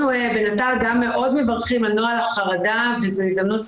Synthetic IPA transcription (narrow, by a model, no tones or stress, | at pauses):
uebe̞natalɡamːe̞ʔo̞dmevaʁχimalnoalaχaʁada | vezoizd̪amnut